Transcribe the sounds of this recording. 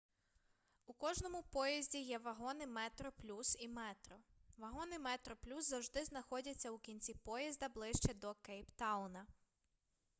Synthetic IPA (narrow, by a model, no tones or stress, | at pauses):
ukɔʒnɔmʊpɔjɐzʲdʲijɛʋɐɦɔnɪmɛt̪ɾɔplʲusimɛt̪ɾɔʋɐɦɔnɪmɛt̪ɾɔplʲuszɐwʒd̪ɪznɐxɔdʲɐt͡sʲːɐukʲinʲt͡sʲipɔjɐzʲd̪ɐblˠɪʃt͡ʃɛd̪ɔkɛjpt̪ɑwnɐ